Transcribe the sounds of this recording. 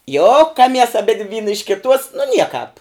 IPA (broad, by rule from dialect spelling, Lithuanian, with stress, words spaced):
ˈjoːkɐmʲiɛs ɐˈbʲɪdʲʋʲ ˈʋʲiːnɐ ɪʃ kʲɪˈtuɔs nʊ ˈnʲiɛkɑːp